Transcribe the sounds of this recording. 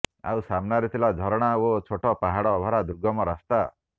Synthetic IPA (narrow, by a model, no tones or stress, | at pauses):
a̰wsamnaɾit̪ʰilad͡ʒʱɔɾɔɽ̃aot͡ʃʰoʈɔpaɦaɽɔbʱɔɾad̪uɾɡɔmɔɾast̪a